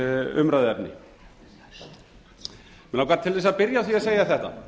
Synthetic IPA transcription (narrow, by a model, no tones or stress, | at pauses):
ʏmɾaðɪɛpnɪ̰ | mɛnawkvaɾt̪ʰɪlvɛsaðpɪɾjawθviaseːjaθɛht̪a̰